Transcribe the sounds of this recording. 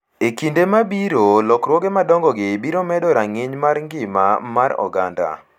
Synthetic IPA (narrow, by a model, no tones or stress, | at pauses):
ekindemabiɾolɔkɾwɔɡemadɔŋɡɔɡɪbiɾomɛdɔɾaŋɪɲmaɾŋɡɪma̰maɾɔ̰ɡanda̰